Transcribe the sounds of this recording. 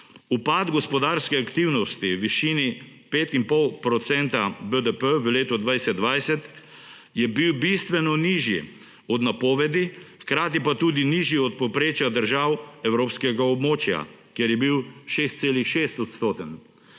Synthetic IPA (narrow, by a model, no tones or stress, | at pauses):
upad̪ɡɔspɔd̪aɾskɛakt̪iwnɔst̪iʋiʃiːni | peːt̪impɔwpɾɔt̪sɛnt̪abəd̪əpəʋəleːt̪ɔd̪ʋajsɛd̪ːʋajsɛt̪ | jɛbiwbist̪ʋɛnɔniːʒjḭ | ɔd̪napɔːʋɛd̪ixkɾaːt̪ipat̪uːd̪iniʒjiɔt̪̚pɔpɾeːt͡ʃjad̪əɾʒaːwɛwɾoːpskɛɡaɔbmoːt͡ʃja̰ | kjɛɾjɛbiwʃest̪seːlixʃeːst̪ɔt̪st̪oːt̪ən